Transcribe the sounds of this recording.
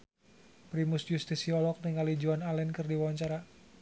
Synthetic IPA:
pɾimusjust̪isiɔlɔk̚nəŋalid͡ʒuanalɛnkərdiwawaɲt͡ʃaɾa

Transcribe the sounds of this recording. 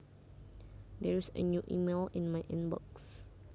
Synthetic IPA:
dɛɹisə̰njuʔḭmelĩnmajʔɛ̃nbɔ̰ks

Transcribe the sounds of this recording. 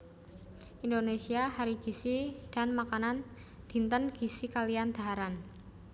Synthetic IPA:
ʔindonesiaɦaɾiɡ̥i̤sid̥a̤nmakanan | d̪̥i̤nt̪ənɡ̥i̤sikaliand̪̥a̤ɦaɾan

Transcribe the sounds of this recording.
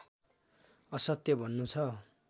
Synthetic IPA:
ʌsʌt̪jʌbʱʌnːut͡sʰʌ

